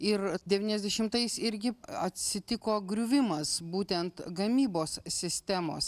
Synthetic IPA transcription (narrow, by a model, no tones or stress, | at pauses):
ɪɾd̪ʲɛʋʲiːnʲɛzʲd̪ʲɛʃʲɪmt̪ɐɪsɪɾʲɡʲɪɐt̪ʲsʲɪt̪ʲɪkoːɡɾʲʊʋʲɪmɐsbuːt̪ʲɛnt̪ɡɐmʲiːboːssʲɪsʲt̪ʲæːmo̰ːs